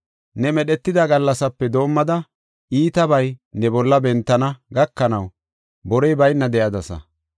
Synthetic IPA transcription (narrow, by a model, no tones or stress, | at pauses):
nɛmɛɗɛt̪ːɪd̪ɐɡɐlːɐsɐpːɛd̪o̞ːmːɐd̪ɐ | iːt̪ɐbɐjnɛbɔlːɐbɛnt̪ːɐnɐɡɐkːɐnɐw | bɔɾɛjbɐjnːɐd̪ɛjɐd̪ɐsɐ̰